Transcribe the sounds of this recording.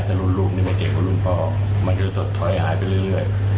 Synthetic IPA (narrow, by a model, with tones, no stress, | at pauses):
t̪ɛ˨˩lu˥˩nɾuː˥˩p̚niː˥˩ma˥˩jke˨˩p̚ka˧˦lu˥˩npʰɔː˥˩ | ma˧nkɔ˥˩˧t̪o˨˩t̪ʰːɔ˨˦jɦaː˩˦jpa˧jɾɯ˥˧˩ɯ˥˩əj